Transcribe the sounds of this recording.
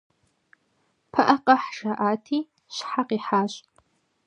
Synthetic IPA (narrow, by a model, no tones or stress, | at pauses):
pʰɐʔɐqʼɐħʃɐʔaːtʰiː | ɕħaqiːħaːɕʼ